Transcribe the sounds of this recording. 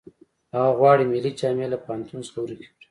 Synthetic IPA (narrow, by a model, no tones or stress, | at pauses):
aɣaɣwɑːɽimilit͡ʃɑːmelapɑnt̪unsloɾik